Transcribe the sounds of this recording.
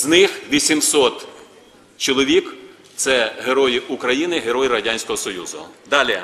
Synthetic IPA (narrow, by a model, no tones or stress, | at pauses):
znɪxʋʲisʲimsɔt̪ | t͡ʃɔlˠɔʋʲik | t̪sɛɦeɾɔjiʊkɾɐjinɪɦeɾɔjiɾɐdʲanʲsʲkɔɦɔsɔjuzʊ̰d̪ɑlʲi